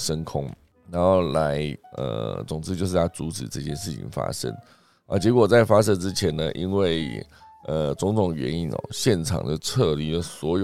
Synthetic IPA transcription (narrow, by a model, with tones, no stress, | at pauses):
ʂə˥nkʰʊ˥ŋ | ɻa˧˥nxo˥˩ʊla˧˦ɪʔə̰˧˩t͡sʊ˨˩ŋt͡sɹ̩˥t͡ɕjo˥˧ʊʂ̬ɻ̩ʰ˥˩a˥t͡su˧˥t͡sɻ̩˨˩ʈ͡ʂɤ˥˧˩t͡ɕjɛ˥˧nʂɻ̩˥˩t͡ɕʰḭ˨˩ŋfa̰˥ʂə̰˥ŋ | ə̰˥˩t͡ɕjɛ˧˥k̬wɔ˨˩t͡sa˥˩ɪfa˥ʂə˥nʈ͡ʂɻ̩˥t͡ɕʰjɛ˧˥nə˧ʔi˥nwe˥˩ɪə˧t͡sʊ˧˥ŋtʊ˨˩ŋɥɛ̰˧˥ni˥nɔ̰˨˧˩ɕjɛ˥˩nʈ͡ʂʰɑ̰˨˩ŋd̪ə˧ʈ͡ʂʰɤ˥˧li˧˥lə˨swɔ˧˥jo˨